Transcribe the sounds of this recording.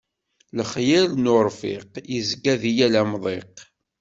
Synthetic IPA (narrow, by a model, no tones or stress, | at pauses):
ləχjælnʊɾˤfɪ̰qjizɡæðijælæmðˤeq